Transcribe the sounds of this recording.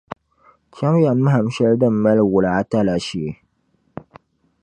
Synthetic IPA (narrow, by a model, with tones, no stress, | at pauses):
t͡ʃa˦m˦ja˨mːɨ˦ɦa˨m˦ʃɛ˦ldɨ˦m̩ː˨˦a˦lwʊ˨la˨a˦ta˦la˨ʃi˨